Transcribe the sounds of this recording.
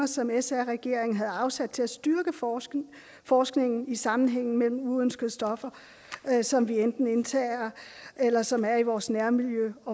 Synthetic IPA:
ɐsɒ̽mesæʁɛɡ̥e̝ɐ̰e̝ŋn̩ɦæð̞̩ˠɑ̈ʊsæd̥̚t͡sʰe̝læsd̥yɐɡ̥ə | fɒːsɡ̥ne̝ŋn̩isɑ̈mn̩ɦeŋ̰n̩mel̰m̩uønsɡ̥əð̩ˠsd̥ɒ̽fɐ | sɒ̽mʋiend̥n̩e̝nt͡sʰɛːɐelɐsɒ̽mæɐiʋɒːsnæɐmiljøɒ̽

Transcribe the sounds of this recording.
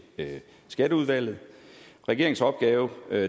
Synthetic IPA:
sɡ̥æɾəuð̞ˠʋæl̰ð̩ˠʁɛɡ̥e̝ɐeŋ̩sɒ̽b̥̚ɡ̥ɛːʊ

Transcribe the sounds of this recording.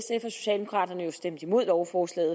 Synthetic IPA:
sefɐso̝ɕɛ̰ːldemo̝kʰʁɑ̰̈ːd̥ɐnəjo̝sd̥em̰d̥imo̝ð̞̰ˠlɒʊfɒːslɛ̰ɪð̩ˠ

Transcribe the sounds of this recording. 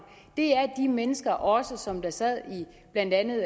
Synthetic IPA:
d̥e̝æɐd̥imenəsɡ̥ɐʔɒ̽səsɒ̽md̥ɑ̈sɛð̰ˠi | b̥læn̰d̥ænð̩ˠ

